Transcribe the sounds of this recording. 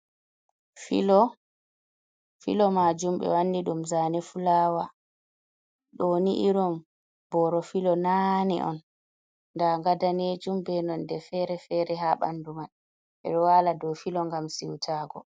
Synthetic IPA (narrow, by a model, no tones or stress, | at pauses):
filɔ | filɔmad͡ʒumɓɛ̰wanːiɗumzanɛfulaːwa | ɗoniʔiɾɔm | bɔɾɔfilɔnanɛ̰ʔɔ̰nː | daŋɡadaned͡ʒumbɛnɔndɛfɛɾɛfɛːɾɛɦaɓa̰nduman | ɓɛ̰ɗɔwaːladɔfilɔŋɡamsiwtʰaːɡɔ̰